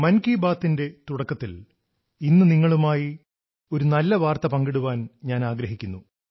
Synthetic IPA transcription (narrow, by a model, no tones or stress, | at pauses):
mɐnkiːbaːt̪ːinde̞t̪uɽɐkːɐt̪ːil | inːɨniŋːɐɭumaːji | o̞ɾunɐlːɐʋaːrt̪ɐpɐŋɡeɽuʋaːnɲaːnaːɡɾɐɦikʲːunːu